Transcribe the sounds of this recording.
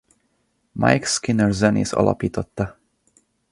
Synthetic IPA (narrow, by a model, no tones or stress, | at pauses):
ma̰jkskinəɹzɛnḭzɒ̰lʔɒ̰piːt̪ot̪ːɑ